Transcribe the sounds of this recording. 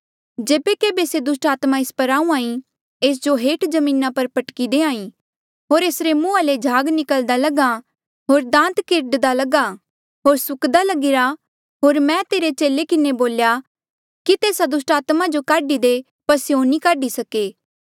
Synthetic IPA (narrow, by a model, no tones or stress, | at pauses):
d͡ʒeːbekeːbesed̪ʊsʈaːt̪maɪspɐɾaːũãːĩ | eːs̬d͡ʒoɦeːʈd͡ʒɐmĩːnapɐɾpɐʈkid̪eãːĩ | ɦoːɾeːsɾemũːaled͡ʒʱaːɡnɪkəld̪alɐɡa | ɦoːɾd̪ãːnt̪kɪɾɖd̪alɐɡa | ɦoːɾsʊkd̪alɐɡɪɾa | ɦoːɾmɛ̃t̪eːɾet͡ʃeːlekɪneboːlja | kit̪eːsad̪ʊsʈaːt̪mad͡ʒokaːɖid̪e | pɐsjõnikaːɖisɐkeː